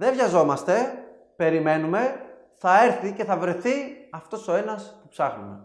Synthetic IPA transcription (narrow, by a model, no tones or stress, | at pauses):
ðe̞vʝɐzo̞mɐst̪e̞ | pe̞ɾime̞nume̞ | θɐe̞ɾθice̞θɐvɾe̞θiɐft̪o̞so̞e̞nɐspupsɐxnume̞